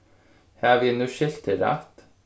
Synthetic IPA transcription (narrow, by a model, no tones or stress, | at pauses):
hɑːʋiːnuːʃɪlt̪ʰɪlɑ̰t̪